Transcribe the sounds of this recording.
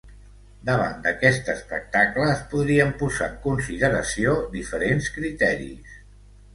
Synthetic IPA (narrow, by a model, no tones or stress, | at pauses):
d̪əβa̰nd̪əkɛst̪əspək̚t̪akləːspuðɾiəmpuza̰ŋkunsiðəɾəsiod̪ifəɾenskɾit̪ɛɾḭs